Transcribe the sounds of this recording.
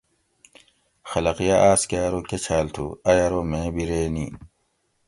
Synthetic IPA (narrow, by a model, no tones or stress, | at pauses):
xɐlɐqijaʔaːskaːɾoket͡ɕʰaːlt̪ʰṵɐjaɾomẽːbiɾeːniː